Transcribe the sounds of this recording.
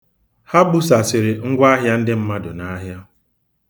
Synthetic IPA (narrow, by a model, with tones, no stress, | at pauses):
ha˦bʊ˦sa˨sɪ˨ɾɪ˨ŋ̩˦ɡʷa˦ɦja˦n̩˦dɪ˦m̩˦ma˦dʊ˨na˦ɦja˦